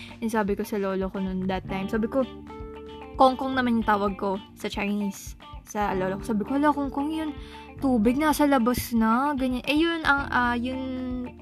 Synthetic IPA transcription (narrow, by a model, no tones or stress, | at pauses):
ʔɛnsaːbɪko̞sɐlo̞ːlokonond̪ɐt̪ːajmsaːbɪko̞ | koŋkoŋnɐmanjʊŋt̪aːwɐɡ̚ko̞sɐt͡ʃɐjnisː | ɐloːlokosaːbɪkohɐlokoŋkoŋjʊn | t̪uːbɪɡ̚nɐsɐlɐbɐsnɐɡɐɲanʔɛjʊnʔɐŋʔajʊn